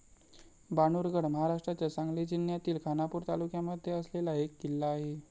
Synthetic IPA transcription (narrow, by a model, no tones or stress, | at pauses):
baɽ̃uɾɡəɽməɦaɾaʂʈɾat͡ɕjasãŋɡled͡ʑinjat̪iːlkʰanapuɾt̪alukjaməd̪ʱːjeəslelaekːilːaːɦe